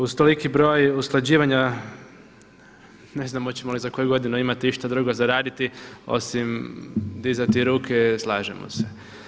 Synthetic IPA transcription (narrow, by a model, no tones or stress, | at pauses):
uzt̪olikibɾo̞ːjusklˠad͡ʑiːʋaɲa | ne̞znamot͡ɕemolizako̞juɡo̞d̪inuimat̪iiʃt̪ad̪ɾuɡo̞zaɾaːd̪it̪io̞̰simd̪izat̪iɾuːkʰeslˠaːʒḛmo̰se̞